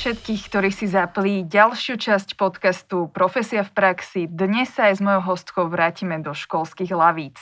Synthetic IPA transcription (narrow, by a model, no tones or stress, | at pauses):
ʃɛt̪kiːxkt̪ɔɾiːxsizapliːɟalʃɪut͡ʃascpɔt̪kast̪upɾɔfɛsiafpɾaksid̪ɲɛsːaːjzmɔjɔʊɦɔst̪kɔʊʋɾaːcimɛd̪ɔʃkɔlskiːɣlaʋiːt͡s